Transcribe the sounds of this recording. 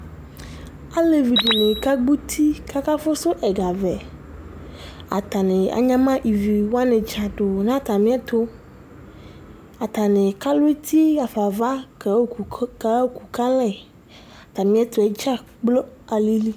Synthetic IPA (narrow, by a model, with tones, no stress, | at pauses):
a˦le˨vi˨do˨nẽ˨ka˦ɡ͡bu˦t̪ʰi˦ka˦ka˦fo˦so˦ʔɛ˨ɡa˨vɛ˨ | a̰˨t̪a˨nẽ˨a̰˨ɲã˦mã˦ʔi˨vi˨wo˦a˦nẽ˨d͡ʒa˨ɖo˨nã˦t̪a˨mĩ˦ɛ˦t̪o˦ | a˨t̪a˨nẽ˨ka˦lo˦e˦t̪ʰi˦a˨fa˨va˦kka˨˦o˦ku˨ka˦lɛ˦˨ | a˨t̪a˨mĩ˦ɛ˦t̪o˦ɛ˦d͡ʒa˦ | k͡plo˦a˨li˦li˦